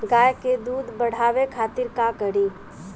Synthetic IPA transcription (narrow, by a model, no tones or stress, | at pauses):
ɡaːjked̪uːd̪bəɽ̤aːʋekʰaːt̪ɪɾkakəɾiː